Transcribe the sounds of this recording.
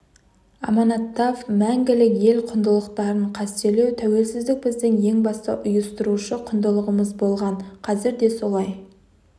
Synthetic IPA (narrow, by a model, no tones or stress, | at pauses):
ɑ̰mɑnɑt̪ːɑfmæŋɡʲɪlɪkje̞lqʰʊnd̪əlˠəqt̪ɑɾəɴqʰɑst̪ele̞wt̪ʰæwe̞lsɪzd̪ɪk̚bɪzd̪ɪŋje̞ŋbɑst̪ɑ̰ʔʊjəst̪ʊɾuʃəqʰʊnd̪əlˠəʁəməzbo̞lˠʁɑɴqʰɑzɪɾd̪e̞so̞lˠɑj